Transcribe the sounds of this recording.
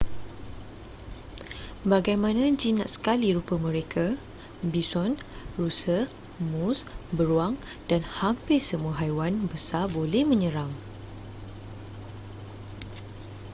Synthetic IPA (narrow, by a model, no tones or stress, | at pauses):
baɡajmãnãd͡ʒinã̰ʔsə̥kaliɾupəmə̃ɾekʰa | bisɔnrusə | musbəɾuaŋ | d̥anhampɪrsəmuaɦajwanbəsabolɛhmə̃ɲəɾaŋ